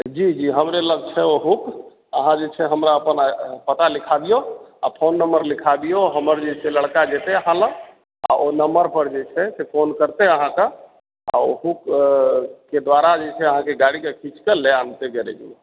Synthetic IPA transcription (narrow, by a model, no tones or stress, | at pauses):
d͡ʒid͡ʒiɦəmɾeləɡ̚t͡ʃʰɛoɦuk | əɦãd͡ʒet͡ʃʰɛɦəmɾaəpənapət̪alikʰad̪ijoa̰pʰonːəmbəɾlikʰad̪ijoɦəməɾd͡ʒet͡ʃʰɛləɽkad͡ʒet̪eəɦãlə | a̰ʔonəməɾpəɾd͡ʒet͡ʃʰɛsepʰonkəɾt̪eəɦãka | a̰oɦukː | ed̪waɾad͡ʒet͡ʃʰɛəɦãkeɡaɽikekʰit͡ʃʰkeleant̪eɡeɾɛ̰d͡ʒḭ